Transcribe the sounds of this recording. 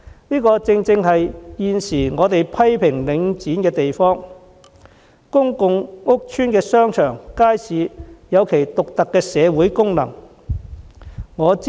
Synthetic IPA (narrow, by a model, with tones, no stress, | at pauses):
niː˥kɔː˧t͡sɪ˧ŋt͡sɪ˧ŋɦɐ˨jjiː˨nsiː˨˩ŋɔː˨˧t̪e˨jpʰɐ˥jpʰɪ˨˩ŋlɪ˨˧ŋt͡siː˨˥nkɛː˧t̪e˨jfɔː˥ŋ | kʊ˥ŋkʊ˨˧ŋŋʊ˥k̚t͡ʃʰyː˥nkɛː˧sœː˥ŋt͡ʃʰœː˨˩ŋkaː˥jsʰiː˨˧jɐ˨˧wkʰe˨˩jt̪ʊ˨k̚t̪ɐ˨kːɛː˧sɛː˨˧wuː˨˥jkʊ˥ŋnɐ̰˨˩ŋ | ŋɔː˨˧t͡s